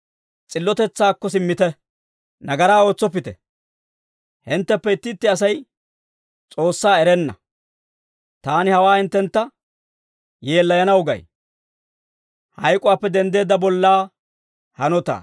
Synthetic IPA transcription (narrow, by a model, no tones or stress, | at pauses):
t͡sʼɪlːɔt̪ɛt͡sːaːkːɔsɪmːɪt̪ɛ | nɐɡɐɾaːo̞ːt͡sːɔp̬ːɪt̪ɛ̰ | hɪnt̪ːɛpːɛɪt̪ːɪt̪ːɪɐs̬ɐj | t͡sʼo̞ːsːaːɛɾɛnːɐ̰ | t̪aːnɪhɐwaːhɪnt̪ːɛnt̪ːɐ | je̞ːlːɐjɐnɐwʊɡɐ̰j | hɐjkʼʊwaːpːɛd̪ɛnd̪e̞ːd̪ːɐbɔlːaː | hɐnɔt̪a̰ː